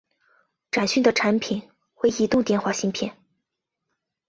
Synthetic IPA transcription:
ʈ͡ʂa˨˩nɕy˥˩nd̪ə˩ʈ͡ʂʰa˧˥npʰi˨˩n | xwe˥˩ɪi˧˥t̪ʊ˥˧ŋt̪jɛ˥˧nxwa˥˩ɕi˥ŋpʰjɛ˥˩˦n

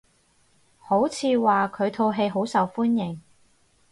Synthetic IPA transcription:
ho˨˥wt͡sʰiː˨˧waː˨˩kʰɵ˨˧ɥt̪ʰo˧wɦe˧jɦo˨˥wsɐ˨wfuː˥njɪ˨˩ŋ

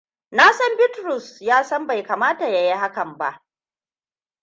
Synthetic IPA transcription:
naː˦sɐ˦mbɪ˦tɾʊ˨sjaː˦sɐ˦mba˨jkaː˨maː˦ta˨ja˨ji˦ha˦kɐ˨mba̰˦ʔ

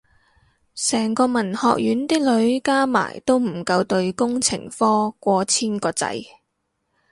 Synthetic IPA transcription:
sɛː˨˩ŋkɔː˧mɐ˨˩nhɔː˨˧k̚jyː˨˥nt̪ɪ˥k̚lɵ˨˧ɥkaː˥ma̰ː˨˩jt̪o˥wm̩˨˩kɐ˧wt̪ɵ˧ɥkʊ˥ŋt͡sʰɪ̰˨˩ŋfɔː˥kʷɔː˨˧t͡sʰiː˥nkɔː˧t͡sɐ̰˨˥j

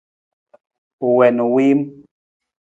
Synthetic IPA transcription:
u˨wɛ˨nu˨wi˦m

